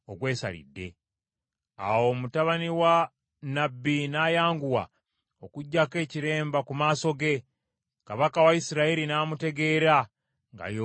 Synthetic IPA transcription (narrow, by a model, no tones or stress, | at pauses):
oɡwe̞ːsa̰lḭdːḛ | a̰wo̞ːmutaβaniwa | nabːinajaːŋɡuwa̰ | okuɟːake̞ːciɾe̞ːmbakumaːso̞ɡe̞ | kaβakawaisiɾaiɾinaːmute̞ɡe̞ɾa | ŋɡa̰jo